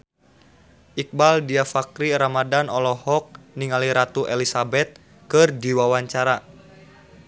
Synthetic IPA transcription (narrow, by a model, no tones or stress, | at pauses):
ʔik̚baldiafakɾiɾamadanɔlɔhɔk̚niŋaliɾat̪uʔɛlisabɛt̪̚ | kɨrdiwawaɲt͡ʃaɾa